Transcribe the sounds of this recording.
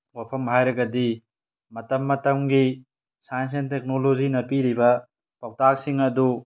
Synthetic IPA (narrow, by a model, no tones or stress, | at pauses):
wapʰɐmɦajɾɐɡɐdi | mɐtɐmːɐtɐmɡi | sajns̬entek̚nolozinɐpiɾibɐ | paw̚tak̚siŋɐdu